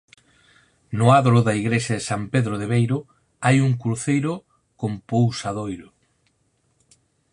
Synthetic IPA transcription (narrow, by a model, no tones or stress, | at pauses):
nʊaðoɾʊðɐiɣɾeʃaðɪsampeðɾoðeβejɾʊ | ajuŋkɾθejɾʊ | kompowsaðojɾʊ